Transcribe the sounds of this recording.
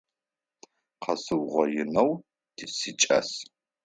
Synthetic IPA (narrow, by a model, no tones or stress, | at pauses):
qʰɐsɨwʁʷɔjɪnɐw | d̥ɨsɨt͡ʃʼɐ̰s